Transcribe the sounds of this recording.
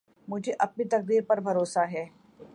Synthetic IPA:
mʊd͡ʒʱeʔɐp̚nit̪ɐq̚d̪iːɾpɐɾbʱɐɾoːsaɦɛː

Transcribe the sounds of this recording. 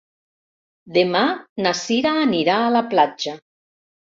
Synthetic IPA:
d̪emanasiɾaːniɾaːlaplad͡ʒa

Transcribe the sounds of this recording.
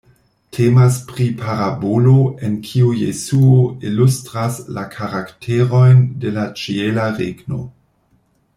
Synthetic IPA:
tʰemaspʁipʰaɾaboloenkʰiujḛsuoilustɾaslakʰaɾaktʰeɾo̞jnde̞lat͡ʃielaɾeɡno̰

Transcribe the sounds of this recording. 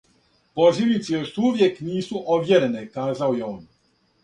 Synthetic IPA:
poʒilnit̪sijoʃt̪uʋjekniːsuʔoʋjeɾenekaːzaojeoːn

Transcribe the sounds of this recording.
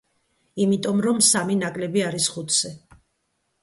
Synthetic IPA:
imit̪ʼɔmɾɔmsaminakʼlɛbiaɾisχut̪ʰsɛ

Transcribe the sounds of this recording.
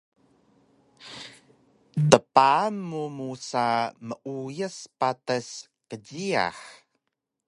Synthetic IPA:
təpanːumusaməʔujəspatəs | kəɟia̰ħ

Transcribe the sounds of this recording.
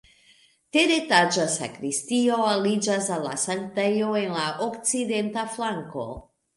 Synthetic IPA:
te̞detad͡ʒasa̰kɾistio̞alid͡ʒasalːa̰santejo̞e̞nlaʔokt͡side̞ntaflaŋko̞̰

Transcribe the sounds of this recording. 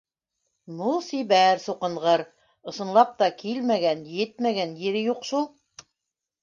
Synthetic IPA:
nulˠsiβæɾsuqɤ̆ɴʁɤɾ | ɤ̆sɤ̆nlˠɑp̚t̪ɑkilmæɡænjɘt̪̚mæɡænjɘɾɘjuqʃulˠ

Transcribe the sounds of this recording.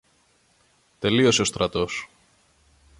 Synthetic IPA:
t̪e̞lio̞seo̞st̪ɾʔɐt̪o̞s

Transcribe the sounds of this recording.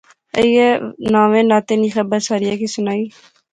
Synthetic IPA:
ə̰ijenãːʋẽːnaːt̪eːniːxəbəɾsaːɾɪjaːkisʊnaːiː

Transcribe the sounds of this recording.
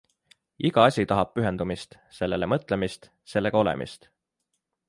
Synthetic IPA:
iɡɑɑsʲit̪ɑɦɑb̥̚pyɦe̞nd̪umist̪ | se̞lːele̞mɤt̪ˑle̞mist̪ | se̞lːe̞ɡ̥ɑo̞le̞̰mʔḭst̪

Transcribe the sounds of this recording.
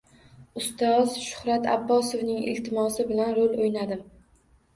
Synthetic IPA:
ʊst̪ɒzʃʊ̥hɾat̪ʰa̰bːɒsovnɪŋḛlt̪ɪmɒsɪbɪlanɾolojnad̪ɪm

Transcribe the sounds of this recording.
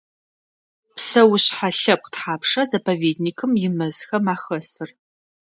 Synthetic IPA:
psɐwʊɕħaɬɐp̚qtħaːpʂɐzɐpʰɐveːdnikʰɨmjɪmɐzxɐmaːxɐsɨr

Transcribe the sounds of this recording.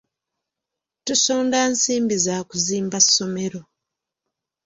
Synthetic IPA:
tusoːndansiːmbizaːkuziːmbasːo̞me̞ɾo̞

